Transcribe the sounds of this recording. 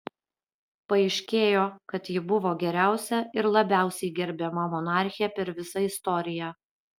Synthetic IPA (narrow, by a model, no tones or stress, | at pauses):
pɐɛɪʃʲkʲeːjoːkɐt̪jɪbʊʋoːɡʲɛɾʲæˑʊsʲɛɪɾlˠɐbʲæˑʊsʲɛɪɡʲɛɾʲbʲɛːmɐmɔnɑːˑɾʲxʲɪjɛpʲɛɾʋʲɪsɐɪst̪ɔɾʲɪjæ